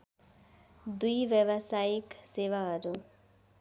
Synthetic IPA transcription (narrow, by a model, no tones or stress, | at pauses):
d̪ujʋjʌbʌsajiksewaɦʌɾu